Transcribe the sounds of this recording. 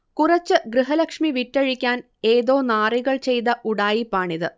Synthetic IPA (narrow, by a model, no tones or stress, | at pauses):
kurɐt͡ɕːɨɡrɨɦɐlɐkʂmiʋitːɐɻikʲːaːn | e̞ːðo̞ːnaːriɣɐɭt͡ɕe̞jt̪ɐʔuɽaːjipːaːɳiðɨ